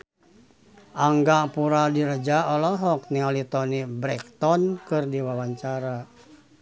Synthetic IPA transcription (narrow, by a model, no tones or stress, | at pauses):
ʔaŋɡapuɾadiɾəd͡ʒaɔlɔɦɔk̚nialit̪ɔnibɾɛk̚t̪ɔnkɨrdiwawaɲt͡ʃaɾa